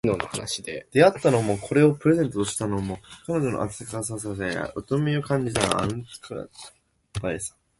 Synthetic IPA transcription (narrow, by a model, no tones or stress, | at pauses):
noːnohanaɕid̪ed̪̥e̞at̪ːano̞mo̞kʰo̞ɾe̞o̞pɯ̟ɾe̞zẽ̞nt̪ot̪oɕi̥t̪ano̞mo̞kano̞ʑo̞no̰ʔa̰t͡sɨkas̬as̬asea̰ʔɯt̪omiokãɲ̟d͡ʑit̪an̰ã̰nsɨ̥kɯɾ̰ | baesḁ̃